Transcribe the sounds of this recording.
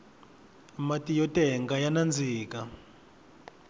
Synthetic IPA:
matʼijɔtʼɛŋɡajanand͡zʱiːka

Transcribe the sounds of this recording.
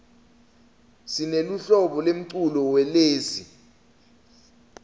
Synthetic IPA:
sineluɬɔɓɔlem̩ǀulɔwɛleːsi

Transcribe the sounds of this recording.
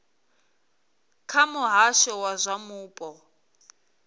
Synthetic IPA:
kʰamʊɦaʃɔwazʷamuːpʼɔ

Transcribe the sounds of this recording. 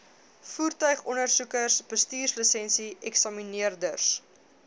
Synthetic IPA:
fuːrtœɥχɔnərsukərsb̥əstyːrsləsɛnsiɛksɑminiərdərs

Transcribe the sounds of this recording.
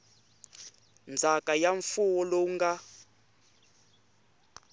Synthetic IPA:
nd͡zʱakajaɱfuwɔloŋɡa

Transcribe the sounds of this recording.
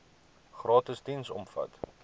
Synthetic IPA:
χrɑːtəstinsɔ̰mfɐ̰t

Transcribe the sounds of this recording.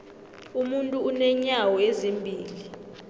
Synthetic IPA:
umuntʼuunɛɲawɔezimbʱiːli

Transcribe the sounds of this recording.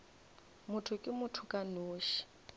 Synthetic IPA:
mʊtʰʊkʼɪmʊtʰʊkʼanoːʃi̥

